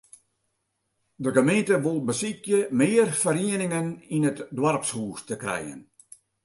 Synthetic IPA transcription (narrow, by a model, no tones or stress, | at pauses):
dəɡəmẽntəʋulˠbəsikjəmɪːərfəɾiənɪŋəninətdwarpshuːstəkrɛ̰jə̰n